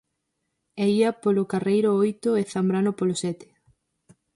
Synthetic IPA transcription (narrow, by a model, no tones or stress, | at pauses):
ɛiɐpolʊkarejɾʊojt̪oeθambɾanʊpolosɛt̪ɪ̥